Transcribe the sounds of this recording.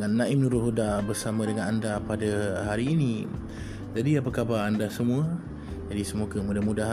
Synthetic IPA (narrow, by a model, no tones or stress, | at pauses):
ŋanːãʔɪmnuɾʊɦudabərsamə̃dəŋanandapadaɦaɾiːni | d͡ʒadiapəkabaɾandasəmũə | d͡ʒadisəmukəmudamudaɦ